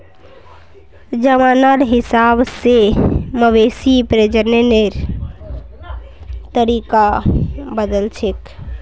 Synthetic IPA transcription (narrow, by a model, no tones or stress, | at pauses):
d͡ʒəmanaɾɦisabseməʋesipɾed͡ʒəneneɾ | t̪əɾikabəd̪əlt͡ʃʰek